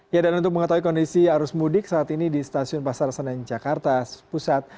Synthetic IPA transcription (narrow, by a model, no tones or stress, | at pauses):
jadanunt̪ʊk̚məŋət̪awikɔndisiaɾʊsmudɪksaːt̪inidist̪asiʊnpasarsanand͡ʒakart̪aspusat̪̚